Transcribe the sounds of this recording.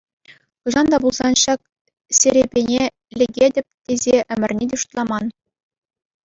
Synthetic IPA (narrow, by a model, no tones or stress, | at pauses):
χuʐɑnd̪ɑbulˠzɑnɕɑk̚ | sʲeɾʲebʲenʲe | lʲeɡʲedʲɘ̆pʲt̪ʲezʲeʔɘ̆mʲɘ̆rʲnʲid̪ʲuʂt̪lˠɑmɑn